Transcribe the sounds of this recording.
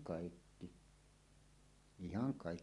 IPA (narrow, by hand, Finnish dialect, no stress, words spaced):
kɑˑikːi ihɑŋ kɑˑikːi